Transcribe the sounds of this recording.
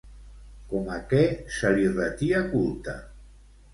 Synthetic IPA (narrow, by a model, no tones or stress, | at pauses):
kɔmakɛsalirat̪iakulˠt̪a